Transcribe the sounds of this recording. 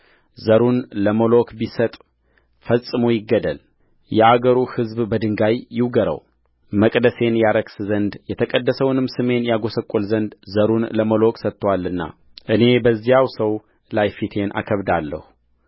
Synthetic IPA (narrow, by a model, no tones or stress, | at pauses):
zəɾunləməlo̞kʼbisət̪ʼ | fəsʼɨmujɪɡːəd̪əl | jɛaɡəɾuhɨzbbəd̪ɨŋɡajːɪwɡəɾə̰w | məkʼd̪əse̞njaɾəkszənd̪jɛt̪ʰəkʼəd̪ːəsəwnɨmsɨme̞njaɡo̞səkʼolzənd̪zəɾunləməlo̞kʼsət̪ʰʼːwalːɨnːa̰ | ʔɨne̞bəzːijawsəw | lajfit̪ʰe̞nʔa̰kʰəβd̪alːə̰hu